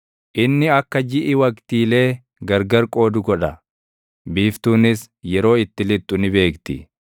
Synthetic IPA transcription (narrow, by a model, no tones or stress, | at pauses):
ʔɪnːɪɐkːɐd͡ʒɪʔɪwɐkt̪iːle̞ː | ɡɐɾɡɐɾkʼo̞ːd̪ʊɡɔᶑɐ | biːft̪uːnɪs | jɛɾo̞ːɪt̪ːɪlɪt̪ʼːʊnɪbe̞ːkt̪ɪ